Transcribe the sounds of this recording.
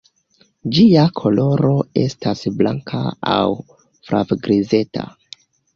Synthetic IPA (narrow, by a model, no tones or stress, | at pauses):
d͡ʒiakʰo̞lo̞ɾo̞e̞̰stasblaŋkʰaaw | fɾʔa̰vɡɾize̞tʰa̰